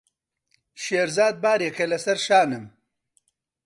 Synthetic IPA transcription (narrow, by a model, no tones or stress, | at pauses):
ʃeːɾzaːd̪̚baːɾekɐlɐsɐɾʃaːnɨm